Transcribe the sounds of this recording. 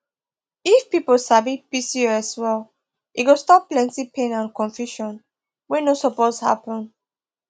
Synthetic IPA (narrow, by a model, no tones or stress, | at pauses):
ifpipɔlsabipisiaswɛl | ʔiɡostɔpːlɛ̃ntipʰẽnãnkɔ̃ɱfjuʃɔ̃n | wɛnosɔposha̰pɔ̃n